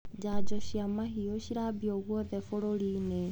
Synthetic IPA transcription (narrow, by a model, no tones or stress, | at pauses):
d͡ʒaːd͡ʒɔɕiamaɦioɕiɾabiɔɣwɔðɛfoɾoɾiːne